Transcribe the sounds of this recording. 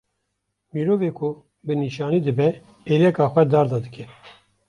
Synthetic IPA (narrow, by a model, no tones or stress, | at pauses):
miːɾoːveːkʰʊ | bɨniːʃɑːniːd̪ɨbɛ | eːlɛkɑːxʷwɛd̪ɑːɾd̪ɑd̪ɨkʲʰɛ